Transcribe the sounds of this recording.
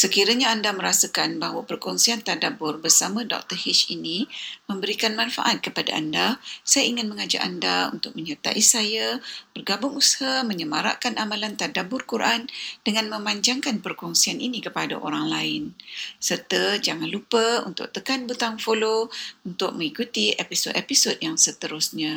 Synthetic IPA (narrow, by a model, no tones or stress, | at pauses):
səkiɾaɲaːndaməɾasəkanbaɦwəpərkɔŋsiant̪adabʊrbərsamə̃dɔ̰k̚t̪ərhiʃinimə̃mbəɾikanmanfa̰ʔat̪̚kəpada̰a̰ndasajaiŋɪnməŋad͡ʒa̰ʔandaṵnt̪ʊk̚məɲat̪a̰ʔisajab̥ərɡabʊŋushaməɲəmaɾa̰ʔkanʔamalant̪adabʊrkuɾʔandəŋanmə̃mãɲd͡ʒaŋkanpərkɔŋsianʔinikəpada̰ʔo̰ɾaŋlaɪnsərt̪əd͡ʒaŋanlupəṵnt̪ʊ̰k̚t̪əkanbut̪aŋfolount̪ʊk̚mə̃ŋikut̪iepisodepisodjaŋsət̪əɾʊsɲã